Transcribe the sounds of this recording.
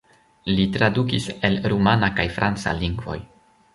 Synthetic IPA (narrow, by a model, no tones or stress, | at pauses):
litɾadukiselɾumanakajfɾant͡sa̰liŋɡvo̞̰j